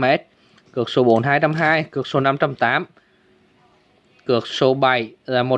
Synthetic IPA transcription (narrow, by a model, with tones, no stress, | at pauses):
mɛ˦˥t̚ | kɨ˨˩ək̚so˨˦ɓo˨˦nɦaː˧jt͡ɕa˧mɦaː˧jkɨ˨˩ək̚so˨˦na˧mt͡ɕa˧mt̪aː˨˦m | kɨ˨˩ək̚so˧˦ɓa˨˩jlaː˨˩mo˨˩